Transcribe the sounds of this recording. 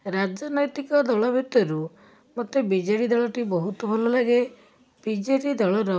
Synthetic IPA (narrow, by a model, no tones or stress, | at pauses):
ɾad͡ʒɔnɔjt̪ikɔd̪ɔɭɔbʱjut̪ːɔɾu | mɔt̪ːebid͡ʒeɽid̪ɔɭɔʈibɔɦut̪ɔbʱɔlɔlaɡe | b̥id͡ʒeʈid̪ɔɭɔɾɔ